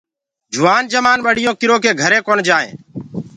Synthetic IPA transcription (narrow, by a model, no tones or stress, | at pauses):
d͡ʒʱʊʋaːnd͡ʒəmaːnɓəɽ̤ɪjõːkɪɾõːkeːɡʱəɾeːkoːnd͡ʒaːḛ̃ː